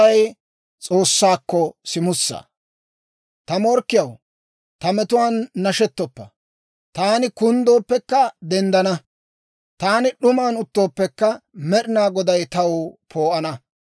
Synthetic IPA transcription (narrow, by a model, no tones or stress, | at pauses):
ɐj | t͡sʼo̞ːsːaːkːɔsɪmʊsːɐ̰ | t̪ɐmɔɾkːɪjɐw | t̪ɐmɛt̪ʊwaːnːɐʃɛt̪ːɔpːɐ̰ | t̪aːnɪkʊnd̪o̞ːpːɛkːɐd̪ɛnd̪ɐnɐ | t̪aːnɪɗʊmaːnʊt̪ːo̞ːpːɛkːɐmɛɗɪnaːɡɔd̪ɐjt̪ɐwpʰo̞ːʔɐnɐ